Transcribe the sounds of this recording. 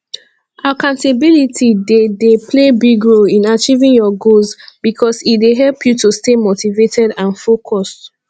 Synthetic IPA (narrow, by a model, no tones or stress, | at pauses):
ʔakãʊ̃ntabilitʰidedepʰlebiɡɹolĩnat͡ʃivĩŋjɔɡolzb̥ikʰɔsit̚deɦɛlpʰjutustemotivetɛdãnfokʰɔst